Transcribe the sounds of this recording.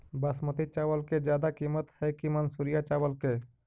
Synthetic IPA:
bəsmət̪it͡ʃawəlked͡ʒjaːd̪akimət̪hɛkimənsuɾijat͡ʃawəlke

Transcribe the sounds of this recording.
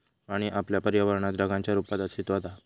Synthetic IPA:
aɽ̃iʔapljapəɾjəʋəɾɳat̪ɾəɡãɲt͡ɕjaɾupad̪əɕit̪ɦot̪a

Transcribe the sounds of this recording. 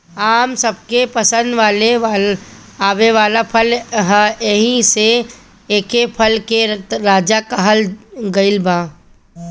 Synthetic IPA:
aːmsəb̚kepəsə̃nd̪ʋaːle | aːʋeʋaːlapʰəlɦeɦĩse | eːkepʰəlkeɾaːd͡ʒakaɦəlɡɐɪlbãː

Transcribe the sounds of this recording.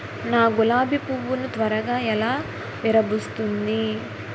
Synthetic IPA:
naːɡulaːbipuʋːunut̪ʋɐɾɐɡaːɛlaː | ʋiɾɐbust̪und̪i

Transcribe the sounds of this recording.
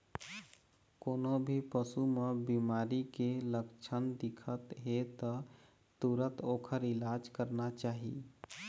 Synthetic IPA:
konobʱipəsumebimaːɾikeləkt͡ʃʰənd̪ɪkʰət̪ɦet̪ə | t̪uɾət̪oːkʰəɾɪlad͡ʒkəɾnat͡ʃaːɦḭ

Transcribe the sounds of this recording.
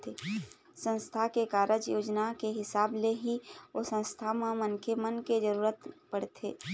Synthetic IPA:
t̪ʰe | sə̃nst̪ʰakekaːɾʔəd͡ʒjoːd͡ʒnakeɦɪsaːbleɦiosə̃nst̪ʰamãmənkʰemənked͡ʒəɾuːɾət̪pəɽt̪ʰḛː

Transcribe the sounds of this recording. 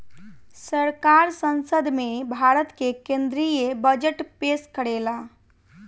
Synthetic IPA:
səɾkaɾsənsəd̪ʱmebʱaɾət̪kekend̪ɾijebəd͡ʒəʈpeskəɽela

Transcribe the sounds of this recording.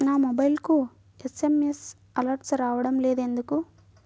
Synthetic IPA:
naːmobɐjlku | esemes | ɐlɐɾʈsɾaːʋɐɽɐmleːd̪e̞nd̪uku

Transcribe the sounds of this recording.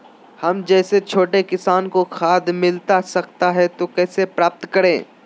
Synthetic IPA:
hɐmd͡ʒɛːset͡ʃʰoːʈekɪsaːnkoxʰaːd̪mɪlt̪asɐkt̪aɦɛt̪okɛːsepɾaːp̚t̪kɐɾẽː

